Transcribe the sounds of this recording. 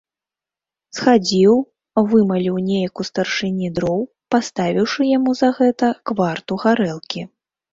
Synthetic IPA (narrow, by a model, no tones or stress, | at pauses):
sxad͡zʲiw | vɨmɐlʲiwnʲejɐkust̪ɐrʂɨnʲid̪ɾɔw | past̪avʲiwʂɨjamuzɐɣɛt̪ɐkvart̪uɣaɾɛlˠkʲi